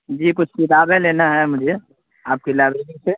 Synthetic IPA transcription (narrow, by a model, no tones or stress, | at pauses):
d͡ʒiːkʊt͡ʃʰsilaːbeleːnaɦɛmʊd͡ʒʱe | aːp̚kilaːbeɡise